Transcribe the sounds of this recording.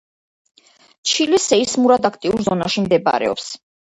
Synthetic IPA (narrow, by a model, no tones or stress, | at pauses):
t͡ʃʰilisɛismuɾad̪akʰt̪ʼiuɾzɔnaʃimd̪ɛba̰ɾɛ̰ɔ̰ps